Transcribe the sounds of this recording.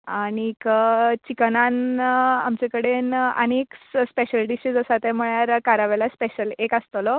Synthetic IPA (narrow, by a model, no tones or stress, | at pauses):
aɽ̃ikət͡ɕikənana̰mt͡ɕẽkəɽenə̰ñekspeɕəlɖiɕid͡zəsat̪ɛ̃m̤əɭjaɾkaɾaʋɛlaspeɕəlekast̪əlɔ